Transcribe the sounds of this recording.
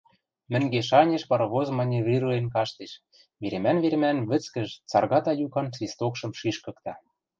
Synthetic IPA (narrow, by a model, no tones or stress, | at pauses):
mɘ̆ŋɡeʃɑnʲeʃpɑɾβozmɑnʲeβrʲirenkɑʃt̪eʃ | βeɾemænβeɾmænβɘ̆t͡skə̆ʒt͡sɑrɣɑt̪ɑjukɑnt͡svʲist̪okʃɤ̆mʃiʃkɤ̆kt̪ɑ